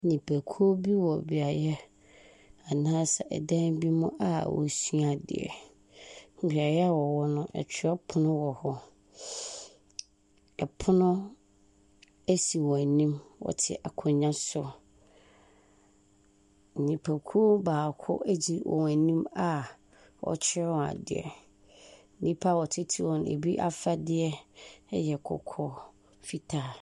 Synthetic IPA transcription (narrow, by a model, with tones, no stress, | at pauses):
nĩ˨pʰæ˨kʰu˦o˦bi˦wɔ˨bi˨a˨˦ɛ˦ | a˨nãː˦sa˨ʔɛ̰˨dã˦nbi˦mʊ̃˦ʔa̰˨wɔ̰˨sɥa˨dɪ̰˨ɛ̰˨ | bi˨a˨jɛ˦a˦˨wɔ˨wɔ˦nʊ̃˦ʔɛ̰˨t͡ɕʰɪ˦a˦pʰʊ˦nʊ̃˦wɔ˨hɔ˦ | ɛ˨pʰʊ˦nʊ̃˦ | æ˦si˨wɔ˨æ˨nĩ˦mwɔ̰˨tʰɪ̰˦ʔa˨kʰɔ̃˨ɲã˦sʊ˦ | n̩˨ɲĩ˨pʰæ˨kʰu˦baː˨kʰʊ̰˦ʔæ˦d͡ʑi˦wɔ̰̃˨wæ˨nĩ˦ma˨ | wɔ̰˨t͡ɕʰɪ˦ɾɛ˦wɔ̃˨a̰˨dɪ˨ɛ̰˨ | n˦nĩ˦pʰa˦˨wɔ˨tʰɪ˦tʰi˦wɔ̃˨n˨ḛ˨bi˦ʔa̰˦fa˦dɪ˦ɛ˦jɛ˨kʰɔ̰˨kʰɔ˦ | fi˦tʰaː˦